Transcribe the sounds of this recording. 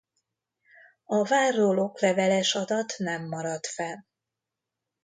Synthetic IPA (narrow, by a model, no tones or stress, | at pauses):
ɒvaːrːolokvɛvɛlɛʃɒd̪ɒt̪nɛmːɒɾɒt̪fɛl